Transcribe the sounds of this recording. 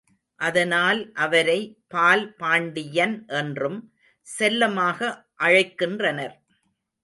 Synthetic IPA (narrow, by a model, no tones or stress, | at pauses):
ʔɐðɐnaːlʔɐʋɐɾɐɪpaːlpaːɳɖɪjɐnʔɛndrɯm | sɛlːɐmaːɣɐ | ʔɐɻɐɪkːɪndrɐnɐɾ